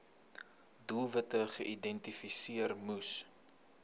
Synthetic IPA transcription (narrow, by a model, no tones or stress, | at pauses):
dulˠvətəχəʔidɛntifisiərmus